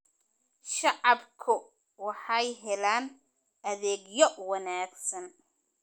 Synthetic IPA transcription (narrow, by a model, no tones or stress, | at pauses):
ʃɑʕɑbkʰʊ | wɑħɑjɦɛlaːn | ʔɐðɛːɡjɔwɑnaːɡsɐn